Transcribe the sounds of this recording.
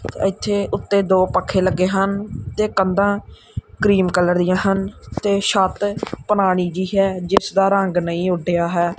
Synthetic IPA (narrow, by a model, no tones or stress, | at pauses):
t̪ːɪt̪ʰːeːʔʊt̪ːeːd̪oːpəkʰːeːləɡːeːɦənt̪eːkənd̪ãː | kɾiːmkələɾd̪ɪjãːɦənt̪eːʃət̪pənaːɽ̃iːd͡ʒiːɦɛːd͡ʒɪsd̪aːɾəŋɡnəĩːʊɖejaːɦɛː